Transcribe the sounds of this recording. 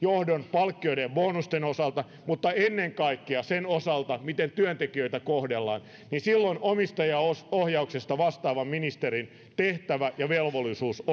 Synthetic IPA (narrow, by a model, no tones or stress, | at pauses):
johdonpɑlkːioiɾeʋboːnust̪enosɑlt̪ɑ | mut̪ːɑenːeŋkɑikːeɑsenosɑlt̪ɑmit̪ent̪yønt̪ekiøit̪ækohdelːɑ̰ːn | ninsilːonʔomist̪ɑjɑosohjɑuksest̪ɑʋɑst̪ɑːʋɑmminist̪eɾin | t̪eht̪æʋæjɑʋelʋolːˑisuːs